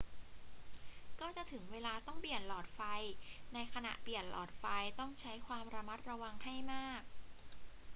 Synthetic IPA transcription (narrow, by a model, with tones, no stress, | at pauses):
kɔː˥˩t͡ɕa˨˩ʔt̪ʰɯ˩˦ŋweː˧laː˧t̪ɔ˥˩ŋpi˨˩ənlɔː˨˩t̪̚fa˧jna˧jkʰa˧na̰˨˩ʔpi˨˩ənlɔ̰ː˨˩t̪̚fa˧jt̪ɔ˥˩ŋt͡ɕʰa˦˥jkʰwaː˧mɾa˧ma˦˥t̪̚ɾa˧wa˧ŋha˥˩jmaː˥˩k̚